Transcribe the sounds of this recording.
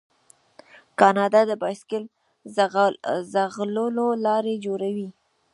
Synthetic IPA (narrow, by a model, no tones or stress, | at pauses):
kɑnɑd̪ɑd̪əbɑjskɪl | zaɣləlolɑɾed͡ʒoɾawi